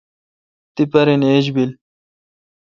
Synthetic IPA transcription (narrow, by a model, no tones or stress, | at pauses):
t̪ipɐɾineːʑbil